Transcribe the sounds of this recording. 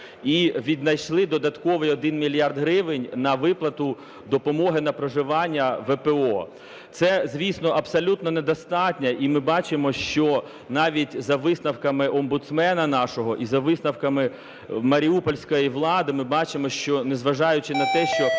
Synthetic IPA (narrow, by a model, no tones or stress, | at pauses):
iʋʲid̪nɐjʃlˠɪd̪ɔd̪ɐt̪kɔʋɪjɔd̪ɪnmʲilʲjɑrd̪ɦɾɪʋɪnʲnɐʋɪplˠɐt̪ʊ | d̪ɔpɔmɔɦɪnɐpɾɔʒɪʋɑnʲːɐʋɛpeɔ | t̪sɛzʲʋʲisnɔʔɐbsɔlʲut̪nɔned̪ɔst̪ɑtʲnʲɐʔimɪbɑt͡ʃɪmɔʃt͡ʃɔ | nɑʋʲitʲzɐʋɪsnɐwkɐmɪʔɔmbʊt̪smɛnɐnɑʃɔɦɔʔizɐʋɪsnɐwkɐmɪ | mɐɾʲiupɔlʲsʲkɔjiʋlˠɑd̪ɪmɪbɑt͡ʃɪmɔʃt͡ʃɔnezʋɐʒɑjʊt͡ʃɪnɐt̪ɛʃt͡ʃɔ